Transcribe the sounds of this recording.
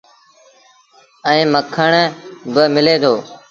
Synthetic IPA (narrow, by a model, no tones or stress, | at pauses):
ɛ̃ːməkʰəɳbəmɪleːd̪ʰʱoː